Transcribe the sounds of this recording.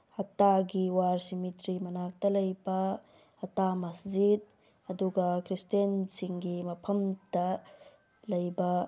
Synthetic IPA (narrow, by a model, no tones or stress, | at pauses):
ɐtaɡiwaɾsimitɾimɐnak̚tɐlɐjbɐ | ɐtamɐszid̚ | ɐduɡɐkʰɾistensiŋɡimɐpʰɐmdɐ | lɐjbɐ